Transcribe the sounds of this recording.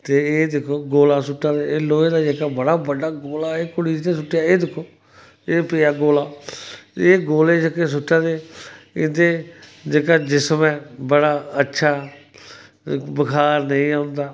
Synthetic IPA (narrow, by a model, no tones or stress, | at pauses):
t̪eːeːd̪ɪkʰːoːɡoːlaːsʊʈːãːd̪eːeːloːeːd̪aːd͡ʒeːkaːbəɽaːbəɖaːɡoːlaːeːkʊɽiːd͡ʒnẽːsʊʈːjaːeːd̪ɪkʰːoː | eːpɪjaːɡoːlaː | eːɡoːleːt͡ʃəkeːs̬ʊʈːãːd̪eːɪd̪eːd͡ʒeːkaːd͡ʒɪsmɛ̃ːbəɽaːətːʃʰaː | bəkʰaːɾnəĩːãːʊnd̪aː